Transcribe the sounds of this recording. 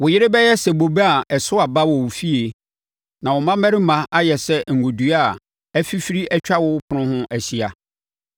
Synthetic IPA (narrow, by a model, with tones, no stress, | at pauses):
wʊ˨jɪ˦ɾɪ˦bɛ˦jɛ˦sɛ˨bo˨be˦a˨ɛ˨sʊ˦a˨ba˦wɔ˨wʊ˨fi˦e˨ | nã˨wɔ˨mã˦mɛ̃˦ɾɪ˦mã˦ʔa˦jɛ˨sɛ˦ŋ̩˨ɡo˨du˨˦a˨ | ɛ˦fi˦fi˦ɾi˦ɛ˦t͡ɕᶣa˦wʊ˦pʰʊ˨nʊ̃˦hʊ̃˦ʔæ˨si˨a˨